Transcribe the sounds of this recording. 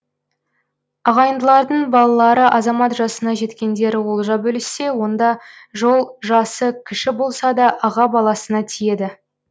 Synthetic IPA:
ɑʁɑjənd̪əlˠɑɾd̪əɴbɑlˠɑlˠɑɾəʔɑzɑmɑt̪ʒɑsənɑʒe̞t̪kʲe̞nd̪e̞ɾɪwolˠʒɑbɵlɪse̞wo̞nd̪ɑʒo̞lˠʒɑsəkʲʰɪʃɪbo̞lˠsɑd̪ɑʔɑʁɑbɑlˠɑsənɑt̪ʰije̞d̪ɪ

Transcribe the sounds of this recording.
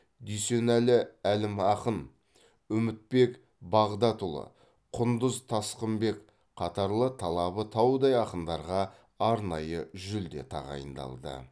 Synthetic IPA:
d̪yjse̞nælɪælɪmɑqən | ʏmɪt̪̚pe̞k | bɑʁd̪ɑt̪ʊlˠə̰ | qʰʊnd̪əzt̪ʰɑsqəmbe̞k | qʰɑt̪ɑɾlˠət̪ʰɑlˠɑβət̪ʰɑwd̪ɑjɑqənd̪ɑɾʁɑː | ɾnɑjəʒʏld̪e̞̰t̪ʰɑ̰ʁɑ̰jə̰nd̪ɑ̰lˠd̪ə̰

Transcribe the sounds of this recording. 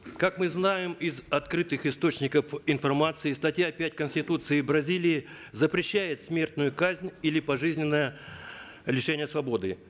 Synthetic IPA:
kakmɨznajɪmɪzɐt̪kɾɨt̪ɨxɪst̪o̞t͡ɕnʲɪkəfɪnfɐrmat̪sɨɪːst̪ɐtʲjapʲætʲkənsʲtʲɪt̪ut̪sɨɪbɾɐzʲilʲɪː | zəpɾʲɪɕːæjɪt̪smʲe̞rt̪nʊjʊkazʲnʲilʲɪpɐʐɨzʲnʲɪnːəjə | lʲɪʂɛnʲɪjəsvɐbo̞d̪ɨ

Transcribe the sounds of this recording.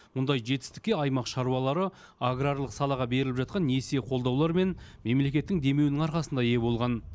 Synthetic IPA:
mʊnd̪ɑjʒe̞t̪ɪ̥st̪ɪ̥k̪̚ʲːe̞ɑjmɑqʃɑɾuɑlˠɑɾə | aɡɾarlˠəqsɑlˠɑʁɑbe̞ɾɪlɪpʒɑt̪qɑnːese̞qʰo̞lˠd̪ɑwlˠɑɾme̞nme̞mle̞kʲe̞t̪ːɪŋd̪e̞me̞wnɪŋɑɾqɑsənd̪ɑje̞bo̞lˠʁɑn

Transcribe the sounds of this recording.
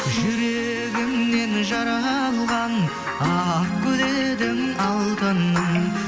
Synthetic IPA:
ʒʏɾe | ɡʲɪmne̞nʒɑɾɑlˠʁɑn | ɑq̚kʲʰɵd̪ed̪ɪŋɑlˠt̪ənːəɴ

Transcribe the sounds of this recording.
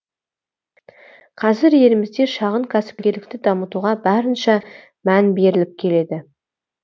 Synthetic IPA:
qʰɑzɪɾje̞lɪmɪzd̪e̞ʃɑʁəɴkʲʰæsɪ̥p̚kʲe̞ɾlɪk̚t̪ɪd̪ɑmət̪uʁɑbɑɾənʃɑ | mænbe̞ɾɪlɪp̚kʲʰe̞le̞d̪ɪ

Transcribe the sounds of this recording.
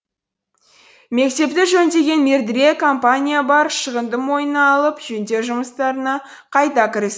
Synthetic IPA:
me̞k̚t̪e̞pt̪ɪʒɵnd̪e̞ɡʲe̞nme̞ɾd̪ɪɾe̞kʰo̞mpanʲijabɑɾʃəʁənd̪əmwo̞jənɑːlˠəpʒɵnd̪e̞ʒʊməst̪ɑɾənɑ | qʰɑjt̪ɑkʲʰɪɾɪs

